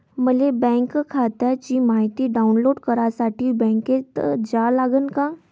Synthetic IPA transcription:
məlebɛ̃ːŋkkʰaːt̪ɛt͡ʃimaːɦɪt̪iɖaːʊnloːɖkəɾasaːʈibɛ̃ːŋket̪d͡ʒaːlaːɡənkaː

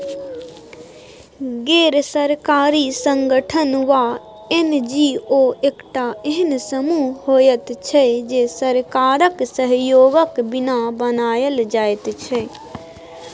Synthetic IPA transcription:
ɡeːɾsəɾkaːɾisəŋɡəʈʰənʋa | end͡ʒioekʈaeɦənsəmuɦojət̪t͡ʃʰɛd͡ʒesəɾkaɾəksəɦjoːɡəkbɪnabənaːjəld͡ʒaːet̪t͡ʃʰɛ

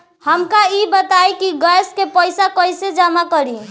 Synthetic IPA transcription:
həmkaibət̪ajkiɡəjskepəjsakəjsed͡ʒamakəɾi

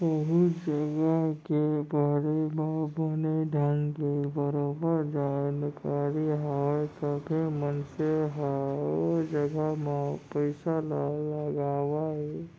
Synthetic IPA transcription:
bəɦʊtd͡ʒəɡəkebaːɽebaboneɖʱankebəɾoːbəɾd͡ʒankaːɾiɦat̪abʱemənseɦa | d͡ʒəɡəmapəɪsalləɡaːwae

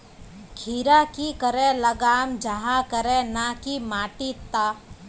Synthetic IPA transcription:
kʰiːɾakikəɾẽləɡaːmd͡ʒaɦakəɾẽnaːkimaːʈit̪aː

